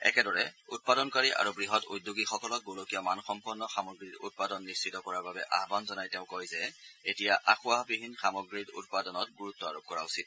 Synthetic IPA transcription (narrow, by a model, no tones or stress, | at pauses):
ɛ̰kɛdɔɹɛut̚padɔnkaɹiʔa̰ɹubɹiɦɔtujdːuɡixɔkɔlɔk̚ɡolokijɔmanxɔmpuɹnːɔxamɔɡɹitṵt̚padɔnːist͡ʃitɔkɔɹaɹbabɛʔaɦbanzɔnajtɛʊ̃kojzɛetijaʔaxʊaɦbibʱinːxamɔɡɹitṵt̚padɔnɔt̚ɡuɹutːɔa̰ɹop̚kɔɹausit̚